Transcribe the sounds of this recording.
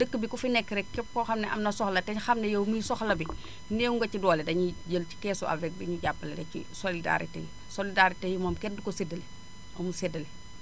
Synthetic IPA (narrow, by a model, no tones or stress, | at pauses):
dəkːəbikufinɛkːɾɛkkːɛp̚kɔxɐmnɛʔɐmnɐsɔxlɐtɛɲxɐmnejɐwmuisɔxlɐbi | neːwuŋɡɐcidɔːledɐɲiɟəlci̥kɛːsuʔa̰lvɛk̚biɲuɟapːɐlɐdɐcḭsolida̰ɾḭtḛji | solidaɾitejimɔːmkɛndikosedɐle | ɐmusɛdɐle